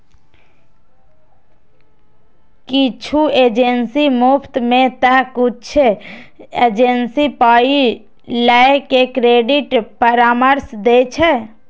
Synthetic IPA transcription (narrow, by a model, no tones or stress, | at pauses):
kit͡ʃʰueːd͡ʒensimupʰt̪mẽt̪əɦkut͡ʃʰe | ed͡ʒensipaːi | lɛekekɾeːɖiʈpəɾaməɾsd̪et͡ʃʰɛ